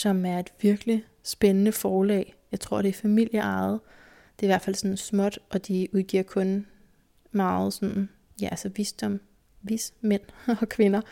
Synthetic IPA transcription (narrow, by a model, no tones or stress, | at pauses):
sɒ̽mæɐe̝d̥ʋiɐɡ̥li | sb̥enənəfɒːlɛ̰ːɪjɑɪt͡sʰʁo̝ɐ̰ɾ̥e̝ɐfæmil̰jəɑ̈ɪð̩ˠ | d̥e̝ɐiʋæɐ̥fæl̰sɒ̽nsmɒ̽d̥ʔɒ̽d̥iuð̞ˠɡ̥iɐ̰kʰɔ̽n | mɑ̈ːð̩ˠsɒ̽n | jæælsɐʋisd̥ɒ̽m | ʋismen̰ɒ̽kʰʋe̝nɐ